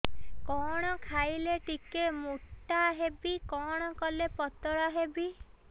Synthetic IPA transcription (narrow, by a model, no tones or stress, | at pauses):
kɔɽ̃ɔkʰajleʈikemuʈːaɦebikɔɽ̃ɔkɔlepɔt̪ɔɽɔɦebi